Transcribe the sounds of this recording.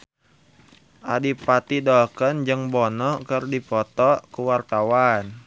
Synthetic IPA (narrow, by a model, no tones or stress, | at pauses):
ʔadipat̪idɔkənd͡ʒɨŋbɔnɔkərdipɔt̪ɔkuwart̪awan